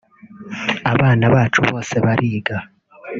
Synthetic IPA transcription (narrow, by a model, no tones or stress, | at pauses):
aβaːnaβaːt͡ʃuβo̞ːse̞βaɾʔiːɡa